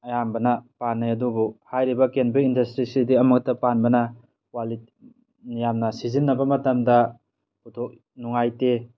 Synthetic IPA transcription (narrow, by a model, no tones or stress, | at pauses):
ɐjambɐnɐpanːajɐdubuhajɾibɐkenbiindɐstɾisidiɐmuk̚tɐpanbɐnɐ | wali | nijamnɐsizinːɐbɐmɐtɐmdɐ | utʰok̚ | nuŋajte